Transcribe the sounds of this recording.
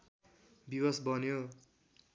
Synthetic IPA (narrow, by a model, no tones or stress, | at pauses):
biwʌsbʱʌnjo